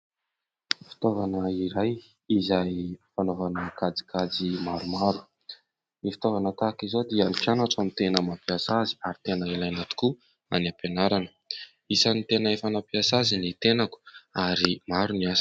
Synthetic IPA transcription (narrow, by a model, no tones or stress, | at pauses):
fi̥t̪ovanəiɾaj | izajfanovanəkad͡zi̥kʰad͡zimaɾumaɾu̥ | nifit̪ovanət̪akizod̪ianikanaʈ͡ʂamit̪enəmapiasazi̥aɾit̪enəilajanat̪u̥ku | aniapenaɾanə̥ | isanit̪enəefanapiasazinit̪enaku̥aɾimaɾuniasi̥